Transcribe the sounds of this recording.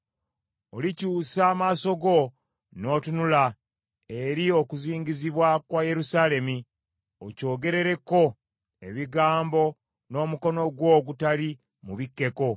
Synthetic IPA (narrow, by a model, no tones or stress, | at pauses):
olicuːsaːmaːso̞ɡo̞ | no̞ːtunula | e̞ɾio̞kuziːɲɟiziβwakwaje̞ɾusale̞mi | o̞̰co̞ːɡe̞ɾe̞ɾe̞kːo̞ | e̞βiɡaːmbo̞ | no̞ːmuko̞no̞ɡwo̞ːɡutali | muβikːe̞ko̞